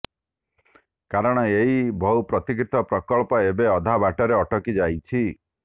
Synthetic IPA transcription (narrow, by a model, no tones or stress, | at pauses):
kaɾɔɽ̃ɔeɦibʱɔwpɾɔt̪ikɾit̪ɔpɾɔkɔɭpɔebeɔd̪ʱabaʈɔɾeɔʈɔkid͡ʒajt͡ʃʰi